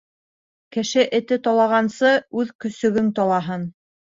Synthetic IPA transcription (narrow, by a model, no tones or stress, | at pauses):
kɘ̆ʃɘʔɘ̆t̪ɘt̪ɒlˠɑʁɑnsɤʉðkɵ̆sɵ̆ɡɵŋt̪ɑlˠɑɦɤn